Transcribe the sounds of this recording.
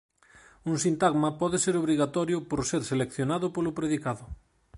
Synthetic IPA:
uŋsint̪aɣmɐpɔðeseɾoβɾiɣat̪ɔɾjʊpoɾseɾselekθjonaðʊpolʊpɾeðikaðʊ

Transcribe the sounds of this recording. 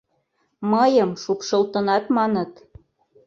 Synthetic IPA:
mɤjɤmʃupʃolt̪ɤnɑt̪mɑnɤ̆t̪

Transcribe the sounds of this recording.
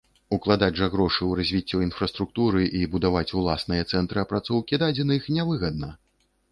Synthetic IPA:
uklˠad̪ad͡zʲʐɐɣɾɔʂɨwɾazʲvʲit͡sʲːɔinfɾɐst̪ɾuk̚t̪uɾɨʔibud̪avat͡sʲulˠasnɨjɐt̪sɛnt̪ɾɨɐpɾat̪sɔwkʲid̪ad͡zʲɛnɐjixnʲavɨɣɐd̪nɐ

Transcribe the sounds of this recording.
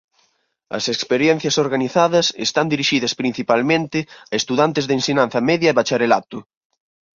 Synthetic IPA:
ɐ̰sekspeɾjɛn̟θjɐsoɾɣaniθaðɐsḛst̪and̪iɾiʃiðɐspɾin̟θipalmẽnt̪ɪɐest̪uðant̪ɪzðensiɲan̟θɐmɛðjɐeβat͡ʃaɾelat̪ʊ

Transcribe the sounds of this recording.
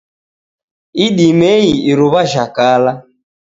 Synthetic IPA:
iɗimɛiiɾuβaʒakala

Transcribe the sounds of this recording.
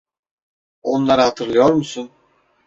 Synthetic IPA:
o̞nlˠaɾɯhat̪ʰɯɾlˠɯjo̞ɾmusun

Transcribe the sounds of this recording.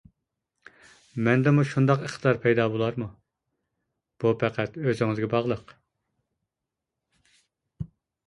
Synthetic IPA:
mɛnd̪ɛmuʃund̪ɑqeχt̪ʰɨd̪ɑɾpʰɛjd̪ɑːbolˠɑɾmu | b̥upʰɛqʰæt̪øzɪŋɪzɡʲɛbɑʁlˠəq

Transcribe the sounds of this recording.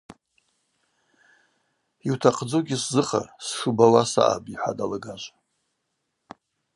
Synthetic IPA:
iwtʰaqʰʼd͡zoɡʲiszɨχa̰rsʂɨbawasa̰ʔa̰biħʷa̰dalaɡaʒʷa

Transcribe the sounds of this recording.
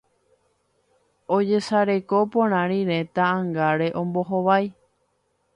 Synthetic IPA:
o̞d͡ʒe̞saɾe̞kopõɾ̃ãɾ̃ĩɾẽ̞t̪ãːŋɡaɾe̞ʔõ̞mbo̞ɦoʋaj

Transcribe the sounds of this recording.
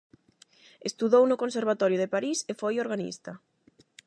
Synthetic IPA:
est̪uðownʊkonseɾβat̪ɔɾjʊðepaɾisefojoɾɣanḭst̪ɐ

